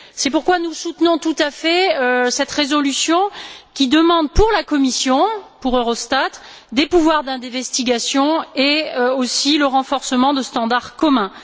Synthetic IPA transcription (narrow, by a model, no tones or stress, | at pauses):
sɛpuʁkwanusut̪nɔ̃t̪ut̪afɛøsɛt̪ʁezɔlysjɔ̃kʲid̪əmɑ̃d̪puʁlakɔmisjɔ̃puʁøʁɔst̪at̪ | d̪epuvwaʁd̪ɛ̃d̪ɛ̃vɛst̪iɡasjɔ̃eøosiləʁɑ̃fɔʁsəmɑ̃d̪əst̪ɑ̃d̪aʁkɔmɛ̃